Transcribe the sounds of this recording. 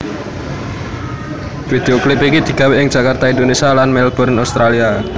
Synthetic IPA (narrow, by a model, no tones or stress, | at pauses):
fid̪̥eoklipikid̪̥i̤ɡ̥a̤weʔɪŋ̥d͡ʒ̥a̤kart̪aind̪onesialanmɛlb̥ɔrnast̪ɾalia